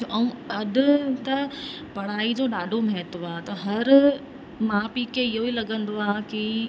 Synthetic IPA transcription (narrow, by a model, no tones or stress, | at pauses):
ʔɐũɐɗʊ̆t̪ɐ | pɐɽ̤̃aːid͡ʑoːɗaːɖʱomɐɦt̪ʋaːt̪ɐɦɐɾ | mãːpiːkeɪɦoiːlɐɠə̃nd̪oaːki